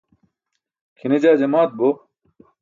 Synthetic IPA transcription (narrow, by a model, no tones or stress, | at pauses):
kʰinid͡ʑaːd͡ʑemaːt̪̚bo